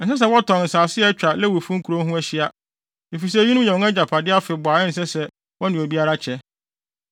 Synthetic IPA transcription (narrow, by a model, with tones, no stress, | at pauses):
n̩˨˦s̬ɛ˦s̬ɛ˦wɔ˦tɔ̃˨nn̩˨saː˨sɪ˦ɛ˦t͡ɕᶣa˨lɛ˦wu˨fũ˦ŋ̩˦kʰu˨ɾo˦ɦʊ̃˦æ˦ɕi˦a˦ | i˨fi˨s̬ɛ˦ɲi˦nʊ̃˦ɲɛ̃˨ɔ̃˦ɛ˦d͡ʑa˨pʰa˨dɪ˦a˦fɪ˨bʊ˨a˨ɛ˦n̩˨s̬ɛ˦sɛ˦ | wɔ̃˦nɪ̃˨o˨bi˦a˦ɾa˦t͡ɕʰɛ˦